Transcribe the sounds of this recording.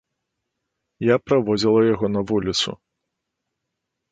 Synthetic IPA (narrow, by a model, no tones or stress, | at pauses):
japɾavɔd͡zʲilˠɐjaɣɔnɐvulʲit̪sṵ